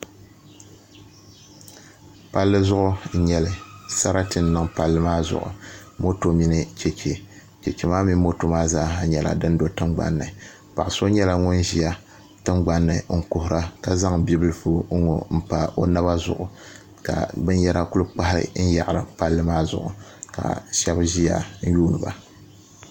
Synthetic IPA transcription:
pa˦lːɨ˦zʊ˦ʔʊ˦˨ɲɛ˨lɨ˨sa˦ɾa˦tɨ˨nː˦ɨ˨ŋpa˨lːɨ˦maː˦zʊ̰˨ʔʊ̰˨mo˦to˨mi˦nɨ˦t͡ʃɛ˨t͡ʃe˨ | t͡ʃɛ˨t͡ʃe˨maː˦mi˦mo˦to˦maː˦zaː˦ɦa˨ɲɛ˨la̰˨dɨ˦n˦do˦tɨ˦mɡ͡ba̰˦nːɨ˨ | pa˨ʔso˦ɲɛ˦la˨ŋʊ˦nʒi˨ja˦ | tɨ˦mɡ͡ba˦nːɨ˨ŋ̩˦˨kʊ˨hʊ˨ɾa˦ka˦za˦ŋbi˦bɨ˦lɨ˦fu˦ŋo̰˨m̩˦pa˨ʔo˦na˦ba˦zʊ̰˨ʔʊ˨ | ka̰˨bɨ˦njɛ˦ɾa˦ku˦lɨ˦k͡pa˦ɦa˦ɾɨ̰˦n̩˦ja˨ʔɾɨ˨pa˦lːɨ˦maː˦zʊ̰˨ʔʊ̰˨ka̰˨ʃɛ˦bʒi˦ja̰˦n̩˦juː˦nɨ˨ba̰˨

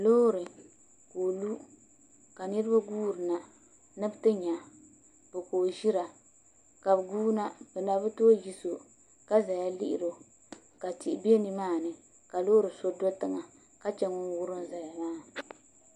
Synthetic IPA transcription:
loː˦ɾɨ˨ | koː˨lu˦ | ka˨nɨ˦ɾɨ˦ba˦ɡuː˦ɾɨ˨na˨ | nɨ˦btɨ˦ɲa˨ | bɨ˨koː˨ʒi˦ɾa˨ | ka˨bɨ˨ɡuː˦na˦bɨ˨na˨bɨ˦to˦ji˦so˨ | ka˦za˨ja˦lḭ˦ʔɪ̰˨ɾo˨ | ka˨ti˦˨ʔbi˦e˦ni˦maː˦˨nɨ˨ | ka˨loː˦ɾɨ˨so˦do˦tɨ˨ŋa˨ | ka˦t͡ʃɛ˨ŋʊ˦n˦wʊ˦ɾɨ˦nza˨ja˨ŋaː˦

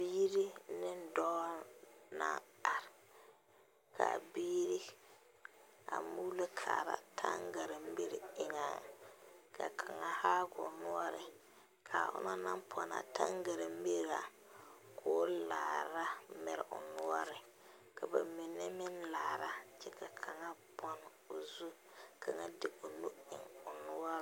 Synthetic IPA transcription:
biː˦ɾi˦nɪ˦n˦dɔ˦na̰˦a˨ɾɪ˨ | kʰa̰˨biː˦ɾi˦ | a̰˨mu˦le˦kʰaː˨ɾa̰˨tʰa˦ŋɡa˨ɾɪ˨m˦be˦ɾɪ˨ŋa˨ka˨kʰa˨ŋa˨haː˦ɡʊ̰˨nʊ˦ɔ˦ɾɪ˨ | kʰa˨ʔʊ̰˦na˦na˦mpʰɔ˨na̰˨ta˦ŋɡa˨ɾɪ˨m˦bi˦ɾɾa˨ | kʰo˦laː˨ɾa˦mɛ̰˨ɾɪ˨ʔʊ̰˨nʊ˦ɔ˦ɾɪ˨ | ka˨ba˨mi˨nːɛ˦mɪ˦nlaː˨ɾa˦t͡ʃɛ˦ka˨kʰa˨ŋa˦bɔ˨n˨ | o˨zu˦kʰa˨ŋa˦dɪ˦ʔʊ˨nu˦ɪ˨ŋʊ˨nʊ˦ɔ˦ɾ

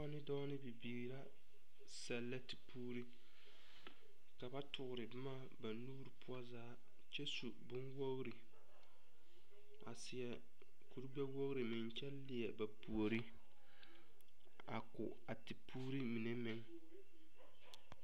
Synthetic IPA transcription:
a˦nɪ˦dɔː˦nɪ˦bɪ˨biː˨ɾa˦ | sa˨lːa˦ti̥˨pʰuː˦ɾi˦ | ka˨ba˦tʊ˨ɡʊ˨ɾɪ˨bmaː˦ba˨nuː˦ɾpʊ˦a˦zaː˦ | t͡ʃɛ˦su˨bʊ˦nwo˦ɣɾi˨ | a̰˨sɪ˨jɛ˨ | ku˨ɾɡ͡bɛ˦wo˦ɣɾi˨mɪ˨nt͡ʃɛ˦llɪ˨jɛ˨ba˨pu˨o˨ɾi˦ | a̰˨kʊ̰˨ | a˨ti˨pʰuː˦ɾi˦mi˨ne˦mɪ˦ŋ

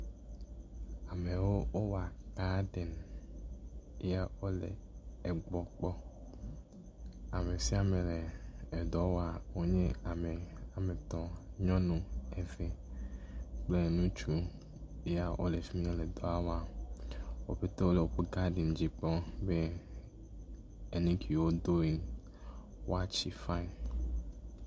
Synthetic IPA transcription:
a˨me˨wo˦wʔo˦wa˨ɡa˦ɖe˨n | i˦ja˦wo˦lḛ˨e˨ɡ͡bɔ˨k͡pɔ˦ | a˨me˨si˦a˨mẽ˨leː˨d̪ɔ˨˦wa˨wo˦ɲẽ˦a˨me˨a˨me˨t̪ɔ˨ɲɔ̃˦nũ˦e˨ve˨ | k͡ple˦nũ˦t͡ʃu˦ | e˦a˦˨wʔo̰˨le˨fi˦m˦nẽ˦le˨d̪ɔ˦a˦wa˨ | wo̰˦ɸe˦t̪o˦wo˦le˨wo˨ɸu˦ɡa˦ɖi˨n˨d͡ʑi˨k͡pɔ˦be˦ | e˨nẽ˦kʰi˨wo˦d̪o˦i˨ŋ | wa˦t͡ʃi˦fa˦i˨n

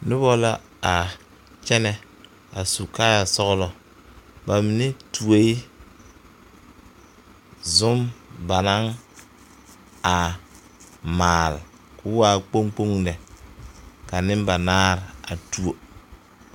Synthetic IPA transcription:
nʊ˦bɔ˦la˦ | a˨ | t͡ʃɛ˦nɛ˦ | a˨su˨kaː˦ja˨sɔ˦ɣlɔ˨ | ba˨mi˨ne˦tu˨o˨˦i˦ | zʊ˦mba˨na˦ŋ | a˨ | maː˨l | kʰʊ˦waː˦k͡po˦ŋk͡po˦ŋnɛ˨ | ka˨nɪ˦mba˨naː˦ɾa˨tu˦o˨

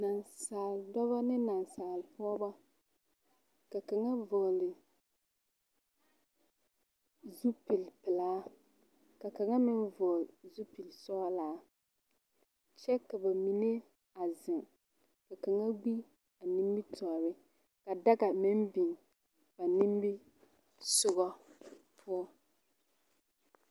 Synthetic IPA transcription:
na˨nsaː˨ldɔ˦βa˦nɪ˦na˨n˨saː˨lpʊ˦ɔ˦ba˦ | ka˨ka˨ŋa˦vɔ˨lɪ˨ | zu˦pi˨lpɪ˨laː˦ | ka˨ka˨ŋa˦mɪ˦nvɔ˨lzu˦pi˨lsɔ˦laː˨˦ | t͡ʃɛ˦ka˨ba˨mi˨ne˦ | a˨zɪ˨ŋ | ka˨ka˨ŋa˦ɡ͡bi˦ | a˨ni˦mbi˦tʰɔ˨ɾɪ˦ | ka˨da˦ɡa˨mɪ˦mbi˨ŋ | b̥a˨ni˦mbɪ˦ | sʊ˦ɣɔ˦pʰʊ˦ɔ˦

